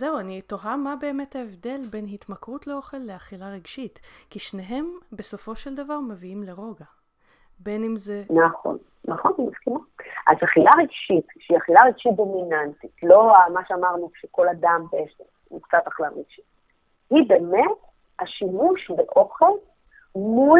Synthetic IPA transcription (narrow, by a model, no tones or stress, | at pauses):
zeuanitoɦamabe̞ːme̞thaevde̞lbe̞nhit̪makʁut̪le̞o̞χe̞lːe̞aχilaʁiɡʃitkiʃne̞ɦe̞mbe̞so̞fo̞ʃe̞ld̪avaʁmeviimle̞ʁo̞ɡa | be̞nimzenaχo̰n | naχo̞nimaskimaʔa̰zaχilaʁiɡʃit̪ʃeiaχilaʁeɡ̥ʃit̚d̪o̞minant̪itlo̞amaʃeamaʁnuʃeko̞lad̪ambeesem | ukt͡sat̪aχlaʁiɡ̥ʃi̥t̚ | hibe̞met | aʃimuʃbeʔo̞χe̞l | mu